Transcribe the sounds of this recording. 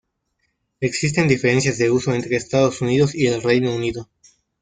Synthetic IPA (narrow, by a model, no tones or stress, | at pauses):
e̞ksis̬t̪e̞nd̪ife̞ɾe̞nsjazðe̞uso̞e̞nt̪ɾe̞ːst̪aðosuniðosie̞lre̞jnouniðo̞